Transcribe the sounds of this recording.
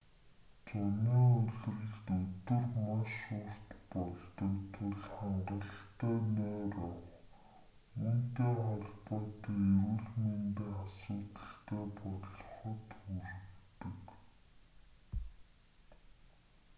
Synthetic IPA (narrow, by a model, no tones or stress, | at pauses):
t͡sɔniːɵɮrɘ̆ɮt̪ɵt̪ɵ̆rmaʃʊr̥t̪pɔɮt̪ɞ̆kt̪ʰʊɮχaɴɢə̆ɬt̪æːnœːrɔw | unt̪eːχɔɮpɔːt̪iːewɘ̆ɮment̪eːasʊːt̪ə̆ɬt̪eːpɔɮ̆χɞ̆t̪xurɘ̆t̪ɘ̆k